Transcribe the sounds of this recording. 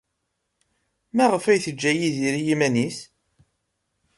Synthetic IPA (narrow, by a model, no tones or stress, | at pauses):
mæʁəfæjθəd͡ʒːæjiðiɾijimænis